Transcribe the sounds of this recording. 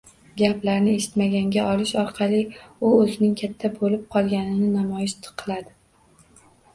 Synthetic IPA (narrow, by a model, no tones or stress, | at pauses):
ɡʲaplaɾnɪe̞ʃɪ̥t̪maɡʲaŋɡʲaʔɒlɪʃɒɾqʰɑlɪʊɵzɪnɪŋkʲʰat̪ʰːabolɪp̚qʰɒlˠɡʲanɪnɪnamɒjɪʃt̪ʰɨ̥qʰːɨlˠad̪ɪ